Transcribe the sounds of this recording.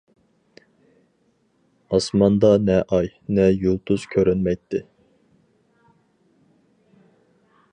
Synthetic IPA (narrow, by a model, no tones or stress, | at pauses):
ɑsmɑnd̪ɑnɛʔɑjnɛjulˠt̪ʰuz̥kʲʰøɾɛnmɛjt̪ʰːɪ